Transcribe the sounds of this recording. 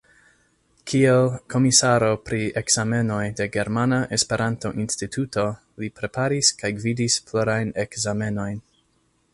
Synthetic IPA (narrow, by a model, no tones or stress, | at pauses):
kʰielkʰo̞misaɾo̞pɾiekz̥ame̞no̞jde̞ɡe̞ɾmanaʔe̞spe̞ɾanto̞ʔinstitʰuto̞ | lipɾe̞pʰaɾiskajɡvidisploɾajnekzame̞no̞jn